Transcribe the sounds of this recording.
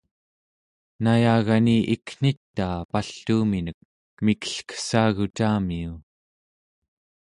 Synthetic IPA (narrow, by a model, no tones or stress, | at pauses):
najaːɣaniʔikn̥it̪ːaːpaɬuːminək̚ | mikə̥ɬkə̥saːɣut͡ʃaːmiu